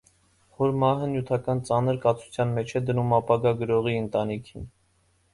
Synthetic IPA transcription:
vɔɾmɑɦənjut̪ʰɑkɑnt͡sɑnəɾkɑt͡sʰu̥t͡sʰjɑnmɛt͡ʃʰɛd̪ənumɑpɑɡɑɡəɾɔʁiənt̪ɑnikʰin

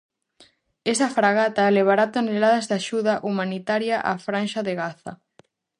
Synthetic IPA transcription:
esafɾaɣat̪aleβ̞aɾat̪onelaðazðaʃuðaʔumanit̪aɾjaʔafɾanʃaðeɣaθɐ̰

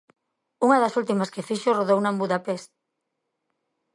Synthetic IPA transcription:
uŋɐðɐsult̪imɐskefiʃoroðownambuðapest̪̚

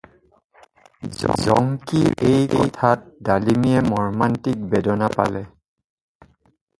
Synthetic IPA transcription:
zɔ̰ŋkiʔejejtʰat̚dalimiɛmɔɹmantik̚bɛdɔnapa̰lɛ

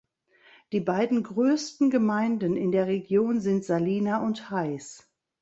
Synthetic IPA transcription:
d̥iːbaɪdn̩ɡʁøːstn̩ɡəmaɪndn̩ɪndeːɐʁeɡjoːnzɪntz̥aliːnaʔʊnthaɪs

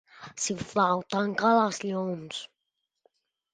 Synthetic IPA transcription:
siflawt̪aŋkalazʎons

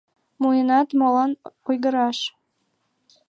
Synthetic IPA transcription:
mujənɑt̪molɑnujɣəɾɑʃ

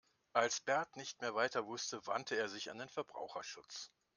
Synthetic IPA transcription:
ʔalsb̥ɛɐtnɪçtmeːɐvaɪtɐvʊstəva̰ntʰəeːɐzɪça̰ndeːnfɛɐbʁa̰ʊxɐʃʊt͡s

